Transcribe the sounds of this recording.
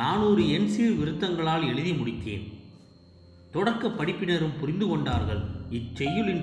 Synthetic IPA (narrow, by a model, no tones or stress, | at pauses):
naːnuːɾɯɛnsiːɾʋɪɾɯt̪ːɐŋɡɐɭaːlɛɻɯðimʊɽɪt̪ːḛːn | t̪ɔɽɐɾkːɐpːɐɽɪpːɪnɐɾɯmpʊɾɪnd̪ɯkɔɳɖaːɾɣɐɭɪt͡ʃːɛjːɯlɪn